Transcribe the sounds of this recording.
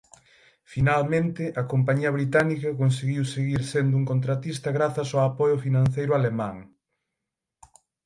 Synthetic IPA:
finalmẽnt̪ɪʔɐkompaɲiɐβ̞ɾit̪anikɐkonseɣiwseɣiɾsend̪ʊuŋkont̪ɾat̪ist̪ɐɣɾaθɐsawapɔjʊfinãn̟θejɾʊalemãŋ

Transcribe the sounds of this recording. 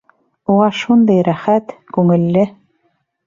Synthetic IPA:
uʁɑʃund̪ɑjɾæχæt̪kʉŋɘ̆lːɘ

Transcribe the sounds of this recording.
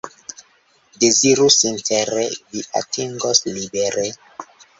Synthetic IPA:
deziɾusinteɾeviʔa̰tʰiŋɡoslibeɾe

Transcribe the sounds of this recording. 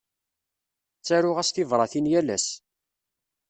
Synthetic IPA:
t͡sːæɾʊʁæsθivɾˤɑθinjælæ̰s

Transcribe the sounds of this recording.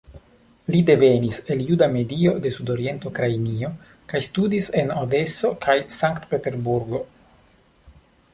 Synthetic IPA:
lide̞ve̞nise̞ljudame̞dio̞de̞sudo̞ɾie̞ntokɾainio̞ | kajstudise̞node̞so̞kʰajsaŋkt̪pe̞te̞ɾbuɾɡo̞

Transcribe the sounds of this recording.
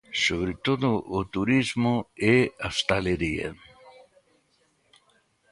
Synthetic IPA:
soβɾet̪oðʊʔːt̪uɾizmʊeast̪aleɾiḛ

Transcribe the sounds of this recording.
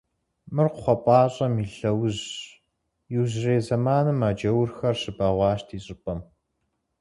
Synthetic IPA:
mɨrqʷʊχʷɔpʼɑːɕʼɐmiːɬɐwʑ | jɪwʑreːzɐmaːnɨmaːd͡ʒɐwrxɐrɕɨbaːʁʷɑːʃtʰiːɕʼɪpʼɐm

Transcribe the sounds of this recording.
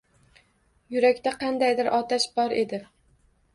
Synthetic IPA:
jʊɾakʲt̪aqʰɑnd̪ajd̪ɪɾʔɒt̪ʰaʃbɒɾe̞d̪ɪ

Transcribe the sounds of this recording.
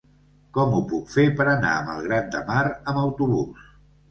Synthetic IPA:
kɔmupukfepəɾəna̰əmə̰lˠɣɾand̪əmaɾəməwt̪uβus

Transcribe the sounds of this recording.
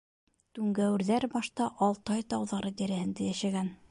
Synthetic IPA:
t̪ʉŋɡæwɘ̆ɾðæɾbɑʃt̪ɑʔɑlˠt̪ɑjt̪ɑwðɑɾɤd̪æɾæhɘ̆nd̪æjæʃæɡæn

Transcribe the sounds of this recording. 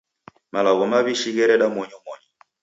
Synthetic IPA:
malaɣɔmaβiʃiɣɛɾɛɗamɔɲɔmɔɲɔ

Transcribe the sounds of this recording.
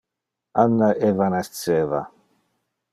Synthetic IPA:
anːaʔevanast̪sɛːva̰

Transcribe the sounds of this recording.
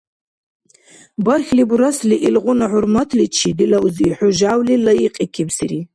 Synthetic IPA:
bɐrxlibuɾasliʔilʁʊnaʕʊɾmat̪ʰlit͡ʃʰid̪ilɐuziħʊʒawlilɐjiqʼikʰibsiɾi

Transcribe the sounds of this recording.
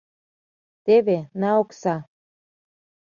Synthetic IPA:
t̪eβenaoksa

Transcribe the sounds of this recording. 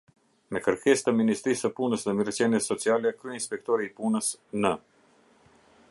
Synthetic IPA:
mɛkəɾkʰɛst̪əminist̪ɾisəpunəsðɛmiɾət͡ʃjɛnjɛsɔt͡sialɛkɾyinspɛk̚t̪ɔɾiːpunəsnə

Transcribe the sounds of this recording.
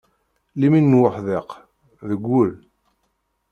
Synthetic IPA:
liminːwəħðeq | ðəɡʷːʊl

